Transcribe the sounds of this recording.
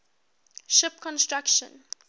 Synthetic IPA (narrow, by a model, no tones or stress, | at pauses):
ʃɪpkʰɔ̃nstɹakʃə̰̃n